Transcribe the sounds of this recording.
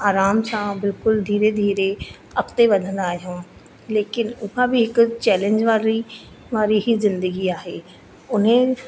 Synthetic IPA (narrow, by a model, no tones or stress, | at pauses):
aːɾaːmsãbɪlkʊld̪ʱiːɾed̪ʱiːɾe | ɐkt̪eʋɐd̪ʱə̃nd̪aːɦijõː | leːkɪnʊɦabɪɦɪkʊt͡ɕɛːlẽɲd͡ʑʋaːɾi | ʋaːɾiɦizɪ̃nd̪əɡiaːɦeː | ʊn̤ə